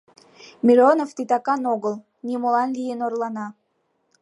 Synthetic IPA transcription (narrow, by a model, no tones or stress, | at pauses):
mʲiɾonoft̪it̪ɑkɑnoɡəlˠ | nʲimolɑnlʲijənorlˠɑnɑ